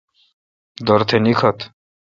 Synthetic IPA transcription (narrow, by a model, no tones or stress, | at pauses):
d̪ɔɾt̪ʰenikʰʌt̪